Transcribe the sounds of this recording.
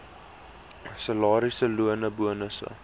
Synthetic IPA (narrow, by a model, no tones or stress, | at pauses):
səlɑːɾisəluənəbuənəsə̰